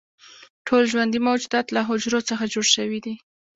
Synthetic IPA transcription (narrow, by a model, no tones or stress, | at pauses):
ʈʰolʒwand̪imawd͡ʒud̪ɑt̪laɦʊd͡ʒɾot͡səxad͡ʒoɽʃəwid̪i